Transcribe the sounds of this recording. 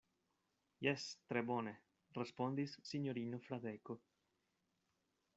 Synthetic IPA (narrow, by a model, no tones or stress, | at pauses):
jɛst̪ɾebɔne | respond̪isːiɲoɾiːnofɾad̪eko